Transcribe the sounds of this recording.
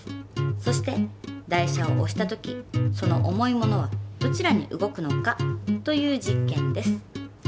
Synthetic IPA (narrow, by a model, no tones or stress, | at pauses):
so̞ɕi̥t̪e̞d̪aiɕao̞̰ʔoɕi̥t̪at̪o̞kʲiso̞no̞̰ʔomo̞imo̞no̞β̞ad̪̥o̞t͡ɕiɾaɲ̟ḭʔɯ̟ɡo̞kɯ̟no̞kat̪o̞jɯ̟ːd͡ʑikːẽ̞nd̪e̞sɨ̥